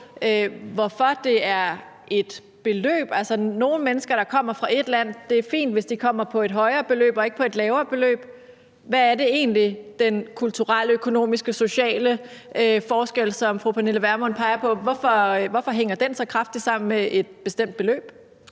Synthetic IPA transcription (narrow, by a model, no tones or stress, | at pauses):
øʋɒfɒ̽d̥e̝æɐ | e̝d̥ | b̥e̝lø̰ːb̥ælsɐno̝ːn̩menəsɡ̥ɐɾ̥ɑ̈kʰɒ̽m̰ɐfʁɑ̈ʔe̝d̥læn̰d̥e̝æɐfḭːnd̥ʋe̝sd̥ikʰɒ̽m̰ɐpʰɒ̽e̝d̥ɦɒ̽ɪɐːb̥e̝lø̰ːb̥ɒ̽e̝ɡ̥əpʰɒ̽e̝d̥lɛːʊɐːb̥e̝lø̰ːb̥ | ʋæːæɐde̝e̝̰ːnlid̥enkʰult͡sʰuʁaləøkʰo̝no̝̰ːmisɡ̥əso̝ɕɛ̰ːləøfɒːsɡ̥el̰sɒ̽mfʁupʰæneləʋæɐmɒ̽npʰɑ̈ɪɐpʰɒ̽ʋɒfɒʋɒfɒ̽ɦeŋ̰ɐd̥ensɒ̽kʰʁɑ̈fd̥id̥sɑ̈m̰n̩meʔed̥b̥e̝sd̥em̰d̥̚b̥e̝lø̰ːb̥